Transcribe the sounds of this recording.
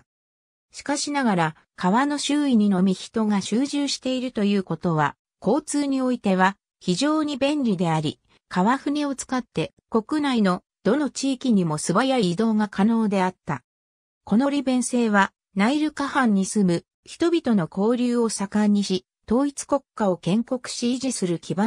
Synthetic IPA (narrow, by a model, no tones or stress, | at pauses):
ɕi̥kaɕinaɡaɾa | kʰaβano̞ɕɨːiɲ̟ino̞mʲiçi̥t̪o̞ŋaɕɨːʑɨːɕi̥t̪e̞iɾɯ̟t̪o̞jɯ̟ːko̞t̪o̞β̞a | ko̞ːt͡sɨːɲ̟io̞it̪e̞β̞a | çiʑo̞ːɲ̟ibẽ̞nɾʲid̪e̞aɾʲi | kʰaβaɸɯ̟ɲ̟ʲio̞t͡sɨ̥kat̪ːe̞ | ko̞kɯ̟naino̞ | d̪̥o̞no̞t͡ɕiːkʲiɲ̟imo̞sɨbajaiːd̪o̞ːŋakʰano̞ːd̪e̞at̪ːa | ko̞no̞ɾʲibẽ̞ɰ̃se̞ːβa | naiɾɯ̟kahãɲ̟ːisɨmɯ̟ | çi̥t̪o̞bʲit̪o̞no̞ko̞ːɾʲɨːo̞sakaɲ̟ːiɕi | t̪o̞ːit͡sɨ̥ko̞kːao̞kẽ̞ŋko̞kɯ̟̥ɕiʑisɨɾɯ̟kʲiba